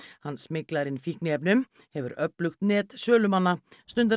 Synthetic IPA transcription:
hanːsmɪklaɾɪnfihknɪɛp̬nʏm | hɛvʏ̰ɾœplʏxt̪nɛːt̪sœːlʏmanːast̪ʏnt̪a

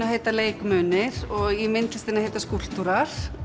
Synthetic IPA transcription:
aɦeːjt̪aleːjkmœːnɪɾ̥ɔɣimɪnt̪lɪst̪iːnɪaheːjt̪askul̥t̪uɾaɾ̥

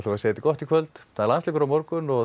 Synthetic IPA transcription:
t̪uvaseːt̪ɪkɔht̪ikʰvœlt̪θalanslɪːkʏɾamɔɾkʏnɔ

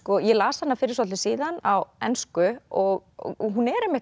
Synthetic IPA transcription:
kɔjɛlaːshanːafɪɾɪ̥ɾsɔt̪ɪsiːðanawɛ̰nskʏɔɣɦunɛɾɛmːɪh

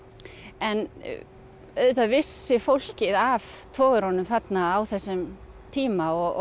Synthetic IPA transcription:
ɛn | œɥt̪avɪsːɪfowl̥cɪðaft̪ʰɔːɣʏɾ̥hɔnʏmθat̪naawθɛsːʏm | t̪ʰiːmaɔɣ

